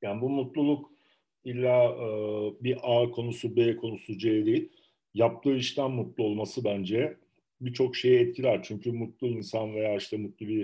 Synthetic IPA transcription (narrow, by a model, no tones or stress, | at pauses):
jaːnibumut̪lˠulˠuk | ilʲːaɯbiʔaːkʰo̞nusubeːkʰo̞nusud͡ʒeːd̪ejilʲ | jap̚t̪ʰɯːiʃt̪ʰænmut̪lˠuo̞lˠmasɯbænd͡ʒɛ | bit͡ʃʰo̞kʃe̞jɛɛt̪̚cʰilʲæɾt͡ʃʰyɲcʰymut̪lˠuinsanve̞jaːiʃt̪ʰɛmut̪lˠubi